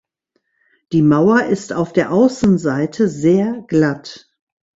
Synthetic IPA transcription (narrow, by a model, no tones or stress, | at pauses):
d̥iːmaʊɐʔɪstaʊfd̥eːɐʔaʊsn̩zaɪtʰəzeːɐɡ̥lat